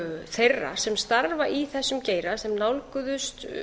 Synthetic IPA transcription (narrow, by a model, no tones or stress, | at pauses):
θejrːa̰sɛmst̪aɾvaʔiθɛsːʏmceːjɾasɛmnawlkʏðʏst̪